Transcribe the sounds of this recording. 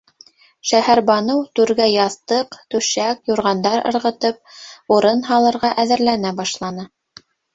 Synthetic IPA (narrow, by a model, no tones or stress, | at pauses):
ʃæhæɾbɑnɤwt̪ʉɾɡæjɑθt̪ɤqt̪ʉʃækjuɾʁɑnd̪ɑɾɤ̰̆ɾʁɤ̆t̪ɤp̚uɾɤnɦɑlˠɤ̆ɾʁɑʔæðɘ̆ɾlænæbɑʃlˠɑnɤ